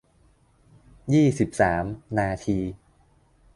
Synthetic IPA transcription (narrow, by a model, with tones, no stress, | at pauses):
jiː˥˩si˨˩p̚saː˩˦mnaː˧t̪ʰiː˧